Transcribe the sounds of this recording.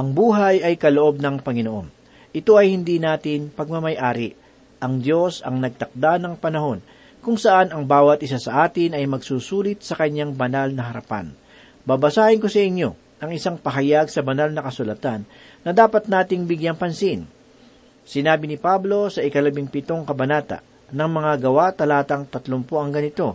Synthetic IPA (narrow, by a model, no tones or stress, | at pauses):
ʔɐŋbuːɦɐjʔɐjkɐloʔo̞b̚nɐŋpɐŋɪnoʔo̞n | ʔɪt̪o̞ʔɐjhɪnd̪inaːt̪ɪnpɐɡ̚mɐmɐjʔaːɾɪ | ʔɐŋd̪jo̞sɐ̰ŋnɐɡ̚t̪ɐk̚d̪anɐŋpɐnɐho̞n | kʊŋsɐʔanɐŋbaːwɐt̪̚ɪsasɐʔaːt̪ɪnɐjmɐɡsuːsuːlɪt̪̚sɐkɐɲːaŋbɐnalnɐɦɐɾɐpa̰n | bɐbɐsaːhɪnko̞sɐʔɪɲjo̞ | ʔɐŋʔɪsaŋpɐɦɐjaɡsɐbɐnalnɐkɐsʊlɐt̪anː | ɐd̪aːpɐt̪̚naːt̪ɪŋbɪɡjaŋpɐnsin | sɪnaːbɪnɪpablo̞sɐʔɪkɐlɐbiŋpɪt̪o̞ŋkɐbɐnaːt̪ɐ̰ | nɐŋmɐŋaɡɐwat̪ɐlaːt̪ɐŋt̪ɐt̪lompoʔɐŋɡɐnɪt̪o̞